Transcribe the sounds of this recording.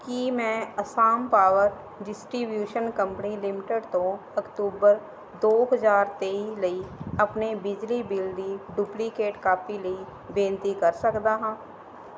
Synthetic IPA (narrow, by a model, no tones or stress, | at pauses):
kimɛ̃ɐsaːmpaːwəɾ | ɖɪsʈɾibjuːʃənkə̃mpənilɪmɪʈeɖt̪õ | ɐkʈ̪uːbəɾ | d̪oːɦəzaːɾt̪eːiləiɐpnebɪd͡ʒlibɪlɖĩɖuːplikeːʈkaːpiləi | bẽːnt̪ikɐɾsəkd̪aɦãː